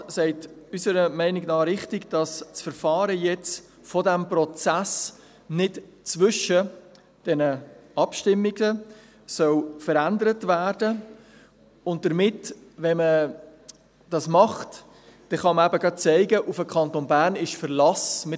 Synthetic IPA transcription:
sɛɪtysəɾəmɛɪnɪɡnɑːɾɪχtɪɡd̥ɑst͡sfəɾfɑːɾəjɛt͡s | fɔdæmpɾɔt͡sæs | nɪtt͡sʋʏʃə | d̥ɛnəɑpʃtɪmːiɡə | sœwfəɾændəɾətvæːɾdə | ʊnt̚d̥əɾmɪtvɛmə | d̥ɑsmɑχt | d̥ɛχɑməæbəɡ̥ɑt̚t͡sɛɪɡəʔufəkʰɑntonbæːɾnɪʃfəɾlɑsmɪ

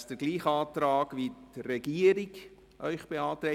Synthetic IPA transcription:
sd̥əɾɡliːχɑːt̪ɾɑːkʋit̪rɛɡiəɾik | ʔœʏχb̥eɑːt̪ɾɛ

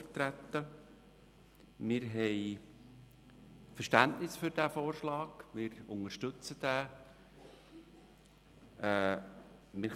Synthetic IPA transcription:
əɾt̪ɾæt̪ːə | mɪɾɦɛj | fərʃtæntnɪsfʏɾdæːfoːɾʃlɑːɡ̥mɪːɾʊŋəʃtɵt͡səd̥æː | ɛː | mɪ

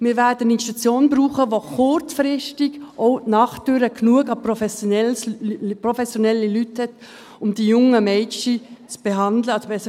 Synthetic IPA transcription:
mɪːɾʋɛdənɪnʃtɑt͡sjoːnbɾuːχəʋoχʊt͡sfɾɪʃtɪɡʔoʊtnɑχtøɾəknuəɡɑpɾofɛsnɛlpɾofɛsjonɛlːilythɛt | ʊmd̥ijʊŋəmɛɪt͡ʃit͡sb̥eɦɑndləɑsobɛsə

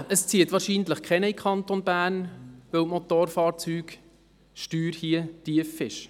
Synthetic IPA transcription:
əst͡siːətʋɑːɾʃiːndləχkʰɛnəikʰɑnt̪onbæːrnʋøwmotoːɾfɑːɾt͡syːɡ | ʃtyːɾhiətiəfɪʃ

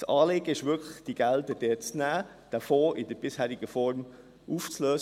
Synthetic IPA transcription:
sɑːleːɡ̥əɪʃʋʏkʰləχd̥iɡ̥ældəd̥ɛːt͡snæː | d̥əfoːʔɪd̥əɾb̥ɪshæːɾɪɡ̥əfɔɾm | ʔuːft͡sløːs

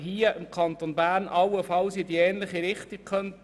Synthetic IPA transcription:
ɦiəʔɪmkʰɑnt̪onbæːɾnʔɑwəfɑwsɪdiɛːnlɪχiɾɪχtik̚kʰχœnt

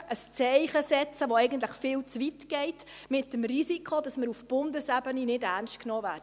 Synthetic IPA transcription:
ʔəst͡sɛɪχəsɛt͡səʋoɛɪɡənt̬ləχfɪːlt͡sʋitɡ̥ɛɪtmɪt̚ːəmrisikχod̥ɑsməɾufb̥ʊndəsæbəninɪdærnstknɔːvæːɾə

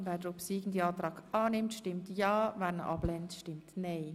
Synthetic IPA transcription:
vɛːɾdəɾopsiːɡn̩diɑːt̪ɾɑːɡɑːnɪmtʃtɪmtjɑːvɛnə̰ʔɑb̥lɛntʃtɪmtnɛɪ

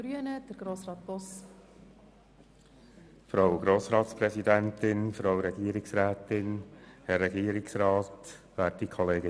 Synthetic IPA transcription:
ɾyənəd̥əɾɡ̥ɾoːsɾɑːt̪̚b̥ɔs | fɾawɡɾoːsɾɑːt̪spɾɛsidɛntɪnfɾawɾɛɡiːɾɪksɾæːtɪnhɛɾːɛɡiːəɾɪksɾɑːtʋæːt̚dikʰɔleːɡə

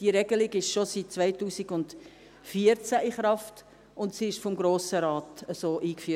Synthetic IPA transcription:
d̥iɾɛɡəlɪɡɪʃʃosit̚t͡svaɪtuːsiɡʊnd | fiəɾt͡sæʔɪχɾɑft | ʊntsiːɪʃfɔmɡɾoːsəɾaːtəsoːʔiːkfyːə

